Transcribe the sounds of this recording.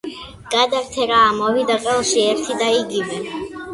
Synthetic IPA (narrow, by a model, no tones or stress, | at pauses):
ɡ̥ad̪aɾt̪ʰɛɾaːmɔvid̪aqʼɛlˠʃiɛɾt̪ʰid̪aiɡivɛ